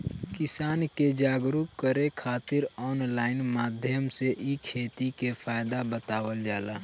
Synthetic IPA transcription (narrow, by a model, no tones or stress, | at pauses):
kɪsaːnked͡ʒaːɡɾup̚kəɾekʰaːt̪ɪɾɔːnlaːɪnmaːd̪ʱjəmseʔikʰeːt̪ikefʰaːjɪd̪abət̪aːwəld͡ʒaːlaː